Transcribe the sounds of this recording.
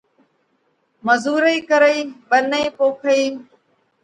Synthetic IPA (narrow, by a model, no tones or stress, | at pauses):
məzuːɾəiːkəɾəiːɓəneiːpoːkʰəiː